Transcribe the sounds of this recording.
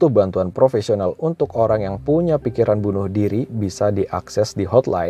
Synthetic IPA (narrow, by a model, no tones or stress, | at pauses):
t̪uhbant̪uanpɾofesionalunt̪ʊkoɾaŋjaŋpuɲapikiɾanbunʊhdiɾibisadiʔaksɛsdiɦɔt̪la̰